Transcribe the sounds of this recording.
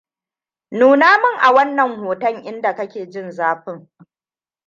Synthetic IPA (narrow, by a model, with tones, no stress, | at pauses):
nuː˨naː˦mɪ˦ŋʔa˨wɐ˦nːɐ˨ŋhoː˨tɐ˦˨ŋʔɪ˦nda˨kɐ˦kʲeː˨d͡ʒɪ˦nzaː˦ɸɪ˦ŋ